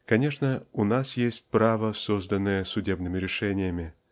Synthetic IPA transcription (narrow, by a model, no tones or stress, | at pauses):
kɐnʲeʂnəunasjesʲtʲpravəsozd̪ənːɨjəsʊdʲebnɨmʲɪɾʲɪʂɛnʲɪjəmʲɪ